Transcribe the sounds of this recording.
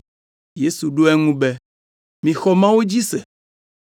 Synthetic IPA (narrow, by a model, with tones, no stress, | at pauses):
je˦su˨ɖo˦ɛ˦ŋũ˦bɛ˦ | mĩ˨xɔ˦mã˦wo˦d͡ʑi˦sɛ˨